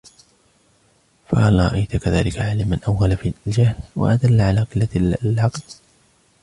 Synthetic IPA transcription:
falɾˤɑ̰ʔajt̪akaðaːlɪkaʕaːlɪmanʔawːalafild͡ʒahlwa̰ʔad̪alːaʕalaːqɨlːalʕɑql

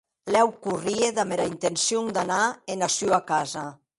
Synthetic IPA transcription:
lɛwkurieðameɾaint̪ensjoŋd̪anaenasyakaza

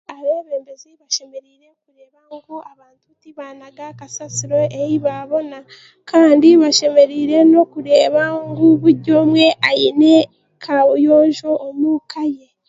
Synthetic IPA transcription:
aβeβeːndeziβaʃe̞me̞ɾiːɾe̞kuɾe̞ːβaŋɡuaβaːntutiβanaɡakasasiɾoeiβaβo̞na | kaːndiβaʃe̞me̞ɾiɾe̞no̞kuɾe̞ːβaŋɡuβuɟo̞mwe̞ʔajine | kʰaβojoːʒo̞ʔːmukaje̞

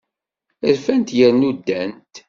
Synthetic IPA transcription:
əɾfænt̪jəɾnud̪ːænt̪

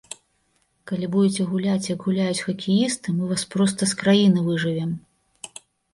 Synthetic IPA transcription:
kalʲibud͡zʲet͡sʲɛɣulʲat͡sʲjɐɡɣulʲajut͡sʲxɐkʲijist̪ɨmɨvaspɾɔs̬t̪ɐskɾajin̪ɨvɨʐɨvʲɛm

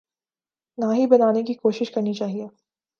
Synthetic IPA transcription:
naːɦibɐnaːnek̬ikoːʃɪʃkɐɾnit͡ʃaːɦie

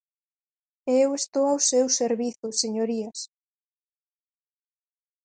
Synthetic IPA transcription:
ewest̪owawsewseɾβiθʊseɲoɾiɐs

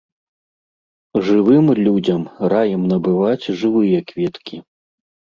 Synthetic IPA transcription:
ʐɨvɨmlʲud͡zʲɐmrajɛmnɐbɨvat͡sʲʐɨvɨjɐkvʲɛt̪kʲi

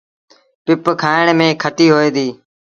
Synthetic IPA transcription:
pɪpkʰaːɪɳmẽːkʰəʈiːɦoːeːd̪iː

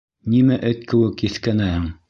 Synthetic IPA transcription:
nimæʔɘt̪kɘ̆wɘkjɘ̆θkænæhɘŋ

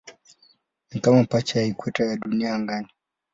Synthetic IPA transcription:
nikamapat͡ʃaaikwɛtajaɗuniaŋɡani

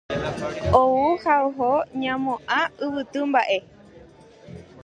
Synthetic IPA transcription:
ouhaoɦoɲãmõʔãɨwɨt̪ɨmbaʔe̞

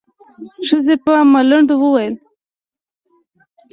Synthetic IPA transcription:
ʂəzepamaləɳɖowəwajəl

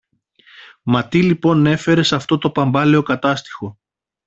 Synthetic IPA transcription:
mɐt̪ilipo̞ne̞fe̞ɾe̞sɐft̪o̞t̪o̞pɐmbɐle̞o̞kɐt̪ɐst̪i̥xo̞

